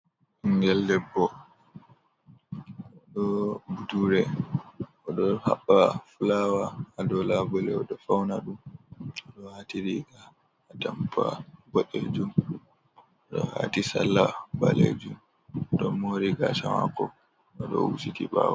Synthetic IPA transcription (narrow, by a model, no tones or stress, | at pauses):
iŋɡɛldɛbːɔ | ɗɔbuduɾɛ | ʔɔɗɔha̰ɓːafulaːwaːdɔlabɔlɛɔɗɔfawnaɗumɔɗɔhatiɾiɡaː | tampʰaɡɔɗed͡ʒum | ɗɔha̰tisalːabaled͡ʒum | ɗɔmoɾiɡaʃamakɔ | ɔɗɔ̰ṵsitiɓa̰wa